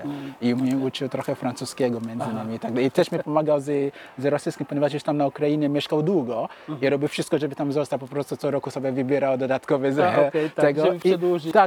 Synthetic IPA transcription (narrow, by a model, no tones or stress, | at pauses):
imɛut͡ʃiwt̪ɾɔxɛfɾãnt͡suskɛɡɔmɛ̃nzɪnamit̪aɡ̚d̪ait̪ɛʃmɛpɔmaɡawzɪzɨɾɔsiskʲĩmpɔɲʲɛvaʃiʃt̪amnaukɾainɛmʲɛʃkawd̪uɡɔiɾɔbiwfʃiʃt̪kɔʒɛbɪt̪ãmzɔwst̪apɔpɾɔ̃st̪ut̪sɔɾɔkusɔbɛvibiɾawd̪ɔd̪at̪kɔvɛzket̪ɛɡɔfid̪ʒt̪a